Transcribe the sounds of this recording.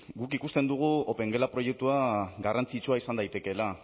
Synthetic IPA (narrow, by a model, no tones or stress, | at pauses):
ɡukikust̪e̞nd̪uɣ̞uope̞ŋɡe̞lapɾo̞je̞k̚t̪uaɡarant͡sit͡ʃuaisand̪ajt̪e̞ke̞la